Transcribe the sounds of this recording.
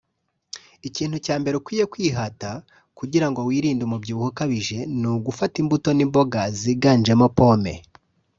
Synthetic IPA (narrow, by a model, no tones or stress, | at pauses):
iciːn̥hucaːmbe̞ɾeukwiːje̞kwiːɦata | kuɟiɾaŋɡowiːɾiːndumubɟuːβuhukaβiʒe̞nuɡufatimbuto̞nimbo̞ɡaziɡand͡ʒemo̞po̞ːme̞̰